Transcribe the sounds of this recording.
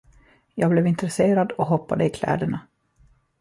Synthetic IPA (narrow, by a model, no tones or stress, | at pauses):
jɑːɡblɛvɪnt̪ɾɛseːɾad̪ɔɦɔpːad̪əɪkʰlɛ̰ːd̪əɳa